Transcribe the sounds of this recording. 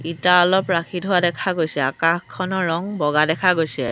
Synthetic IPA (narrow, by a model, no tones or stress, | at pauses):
itaɔlɔpɹakʰitɦʊwadɛkʰaɡojsɛakãxkʰːɔnɔɹɔŋbɔɡadɛkʰaɡojsɛ